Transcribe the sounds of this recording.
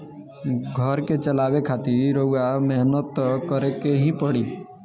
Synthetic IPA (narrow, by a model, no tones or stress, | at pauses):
ɡʱəɾket͡ʃəlaːwekʰaːt̪iɾoɡamɛɦnət̪kəɾekeɦĩpəɽiː